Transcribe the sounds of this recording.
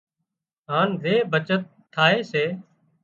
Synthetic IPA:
ɦaːnzeːbʱət͡ʃət̪ʰːaːɦeːseː

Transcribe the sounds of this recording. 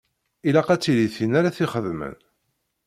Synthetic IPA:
ilæqæt͡sːiliθinaɾaθiχəðmə̰n

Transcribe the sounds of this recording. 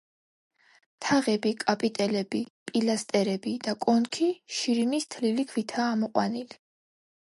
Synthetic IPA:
t̪ʰaʁɛbikʼapʼit̪ʼɛlɛb̥ipʼilast̪ʼɛɾɛbid̪̥akʼɔnkʰiʃiɾinist̪ʰlilikʰwit̪ʰaːmɔqʼwa̰nili

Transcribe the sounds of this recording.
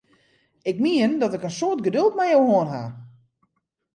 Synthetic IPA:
ɪkmiəndɔtɪkənsoətɡədølˠtmɛjowɦoənɦa̰

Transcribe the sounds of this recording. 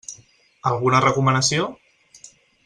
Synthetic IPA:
alˠɣ̞unərəkumənəsio

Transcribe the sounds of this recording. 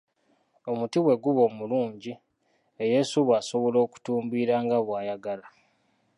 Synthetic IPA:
o̞mutiwe̞ɡuβo̞ːmuluːɲɟi | eje̞ːsuβwaːso̞βo̞lo̞ːku̥tuːmbiːɾaːŋɡaβwaːjaɡala

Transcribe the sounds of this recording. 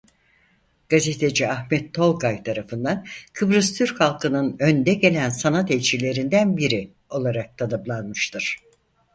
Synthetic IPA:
ɡ̥azet̪ʰe̞d͡ʒiahmɛt̪ʰːo̞lˠɡajt̪ʰaɾafɯnd̪ankʰɯbɾɯst̪ʰyɾchalˠkʰɯnɯnønd̪ɛɟe̞lʲænsanat̪ɛlʲt͡ʃʰilʲe̞ɾind̪ænbiɾi | o̞lˠaɾak̚t̪ʰanɯblˠanmɯʃt̪ʰɯɾ̥

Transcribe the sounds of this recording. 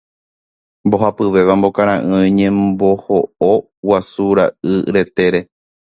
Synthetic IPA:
mbo̞ɦapɨʋe̞ʋambo̞kaɾ̃ãʔɨ̃ĩɲẽmbo̞hoo | wasuɾaɨɾe̞t̪e̞ɾe̞

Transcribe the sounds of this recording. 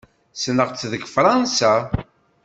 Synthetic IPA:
snəʁt͡sːðəɡfɾˤɑnsa

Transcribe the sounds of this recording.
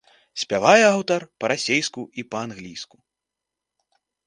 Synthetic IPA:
sʲpʲavajɛawt̪ɐrpɐɾasʲejskuipɐanɣlʲijsku

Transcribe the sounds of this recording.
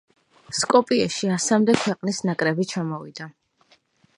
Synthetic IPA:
skʼɔpʼiaʃiasamd̪ɛkʰwɛqʼnisnakʼɾɛbit͡ʃʰamɔvid̪̥a

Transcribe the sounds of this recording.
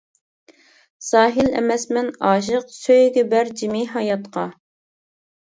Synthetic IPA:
sɑːɦɨlɛ̰mɛsmɛnɑːʃ̬əqsøjɡʲɛbæɾd͡ʒimiɦɑjɑt̪qʰɑ

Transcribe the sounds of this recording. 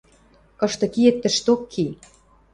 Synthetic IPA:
kɤ̆ʃt̪ɤ̆kiĕt̪ːə̆ʃt̪okʰːi

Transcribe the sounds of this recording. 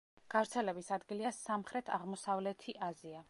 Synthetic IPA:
ɡ̥avɾt̪sʰɛlɛbisad̪ɡiliasamχɾɛt̪ʰa̰ʁmɔsavlɛt̪ʰiʔazia

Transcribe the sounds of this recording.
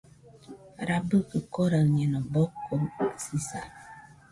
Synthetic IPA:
ɾabəkəkɔɾaɲɛnɔbɔkːomsisa̰

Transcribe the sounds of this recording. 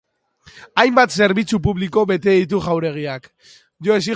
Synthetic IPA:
ajmbat̪se̞ɾβit͡sup̬uβliko̞βe̞t̪e̞ðit̪̬uɣawɾe̞ɣ̞iak | ʝo̞e̞si

